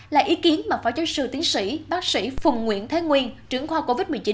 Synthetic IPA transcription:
laː˨˩ʔi˨˦ki˨˦ənmaː˨˩faː˧˩jt͡ɕɔ˧˦sɨ̰˧˨˩t̪i˨˦ənsḭ˧˥ɓaː˦˥k̚sḭ˧˥fʊ˨˩wŋ͡mŋwḭ˧˥˨ənt̪ʰe˨˦ŋwi˧ənt͡ɕɨ˧˩əŋxʰwaː˧ko˧vi˦˥t̚mɨ˨˩t͡ɕi˨˦n

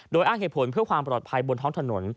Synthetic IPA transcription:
doː˧jʔaː˥˩ŋe˨˩t̪pʰo˩˦npʰɯ˥˩əkʰwaː˧mpɾɔː˨˩t̪̚pʰa˧jbo˧nt̪ʰɔː˦˥ŋt̪ʰa˧no˩˦n

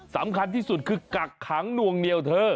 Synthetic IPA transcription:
sa̰˩˦mkʰa˧nt̪ʰiː˥˩su˨˩t̪̚kʰɯː˧ka˨˩kʰːaː˩˦ŋnu˧əŋni˧əwt̪ʰɤː˧

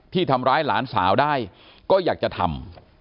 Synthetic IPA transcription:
t̪ʰiː˥˩t̪ʰa˧mɾaː˦˥jlaː˩˦nsaː˩˦wdaː˥˩j | kɔː˥˩jaː˨˩k̚t͡ɕa˨˩t̪ʰa̰˧m

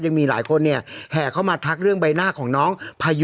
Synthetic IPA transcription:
ja˧ŋmiː˧la̰ː˩˦jkʰo˧nːi˥˩ɐhɛː˨˩kʰa˥˩wmaː˧t̪ʰa˦˥k̚ɾɯ˥˩əŋba˧jnaː˥˩kʰɔː˩˦ŋnɔː˦˥ŋpʰaː˧j

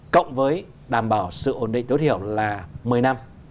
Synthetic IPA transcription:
kə̰˧˨wŋ͡mvəː˨˦j | ɗaː˨˩mɓaː˧˩wsɨ̰˧˨ʔo˨˧˩nɗḭ˧˨ŋ̟t̪jt̪ʰi˧˩əwlaː˨˩mɨ˨˩əjna˧m

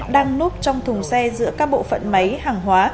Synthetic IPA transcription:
ɗaː˧ŋnu˦˥p̚t͡ɕɔ˧wŋ͡mt̪ʰʊ˨˩ŋ͡msɛ˧zɨ̰˧˥əkaː˦˥k̚ɓo̰˧˨fə̰˧˨nmə˨˦jhaː˨˩ŋɦwaː˨˦

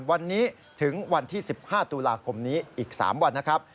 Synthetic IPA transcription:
wa˧nːiː˦˥ | t̪ʰɯ˩˦ŋwa˧nt̪ʰiː˥˩si˨˩p̚haː˥˩t̪uː˧laː˧kʰo˧mniː˦˥ʔiː˨˩k̚sa̰ː˩˦mwa˧nːa˦˥kʰɾa˦˥p̚

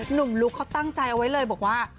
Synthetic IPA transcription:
nu˨˩mlu˦˥kʰːa˦˥˩wt̪a˥˩ŋt͡ɕa˧jʔa˧wa˦˥jlɤː˧jbɔː˨˩k̚waː˥˩

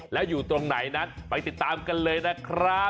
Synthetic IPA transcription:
lɛ˦˥wjuː˨˩t̪ɾo˧ŋna˨˩˦jna˦˥nma˨˧jt̪i˨˩t̪ːaː˧mka˧nlɤː˧jna˦˥kʰɾa˦˥

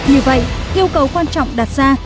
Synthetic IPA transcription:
ɲɨ˨˦və̰˧˨jʔi˧əwkə˨˦wkwaː˧nt͡ɕɔ̰˧˨wŋ͡mɗaː˨˩t̚zaː˧

